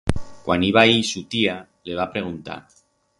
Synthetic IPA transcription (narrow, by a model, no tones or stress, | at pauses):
kwaniβ̞aisut̪ia | leβ̞apɾeɣ̞unt̪a̰